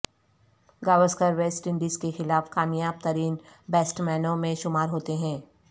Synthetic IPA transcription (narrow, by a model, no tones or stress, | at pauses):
ɡaːʋəskəɾʋeːsʈɪ̃ɳɖiːzkexɪlaːfkaːmjaːb̚t̪əɾiːnbɛːsʈmɛːnõmẽʃʊmaːɾɦoːt̪eɦɛ̃ː